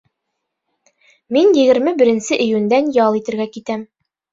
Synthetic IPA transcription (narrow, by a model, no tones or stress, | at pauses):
minjɘ̆ɡɘ̆ɾmɘbɘ̆ɾɘ̆nsɘʔɘ̆jʉnd̪ænjɑlˠit̪ɘ̆ɾɡækit̪æm